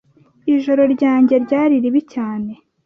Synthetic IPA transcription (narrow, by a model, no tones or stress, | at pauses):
iʒo̞ɾo̞ɾɟaːɲɟe̞ɾɟaːɾiɾiβicaːne̞